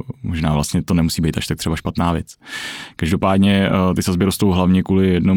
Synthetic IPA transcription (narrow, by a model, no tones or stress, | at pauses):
moʒnaːvlast̪ɲɛt̪o̞nɛmusiːbɛejt̪aʃt̪akt̪r̥ɛbaʃpat̪naːvjɛt͡skaʒdo̞paːdɲɛt̪ɪsazbɪɾost̪owɦlavɲɛkuːlɪjɛdno